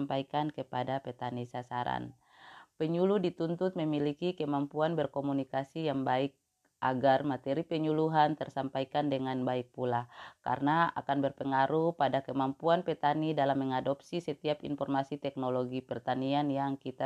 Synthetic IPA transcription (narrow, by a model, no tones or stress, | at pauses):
mpaikankəpadapɛt̪anisasaɾa̰n | pɛɲuluhdit̪unt̪ʊt̪̚məmilikikəmampuanbərkomunikasijaŋbaik̚ | ʔaɡarmat̪ɛɾipɛɲuluɦant̪ərsampaikandəŋanbaik̚pulaka̰rnaa̰kanbərpəŋaɾupadakəmampuanpɛt̪anidalamːəŋadɔp̚sisɛt̪iapḭnfɔrmasit̪ɛk̚noloɡipɛrt̪anianjaŋkit̪a